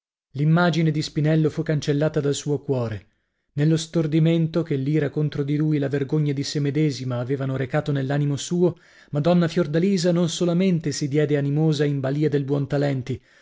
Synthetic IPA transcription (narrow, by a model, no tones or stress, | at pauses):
limːaːd͡ʒined̪ispinɛlːofukːant͡ʃelːaːt̪ad̪alsuːokwɔːɾe | nelːost̪ord̪iment̪okelːiːɾakont̪ɾod̪iluilaverɡoɲːad̪isemed̪ɛːzimaːveːvanoɾekaːt̪onelːaːnimosuːo | mad̪ɔnːafjord̪aliːzanonsolament̪esid̪jɛːd̪eanimoːzaimbaliːad̪elbwɔnt̪alɛnt̪i